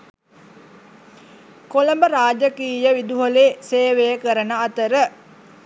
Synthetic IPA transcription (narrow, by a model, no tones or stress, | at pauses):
koləmbəɾaːd͡ʒəkiːjəʋid̪uɦoleːseːʋejəkəɾənəat̪əɾə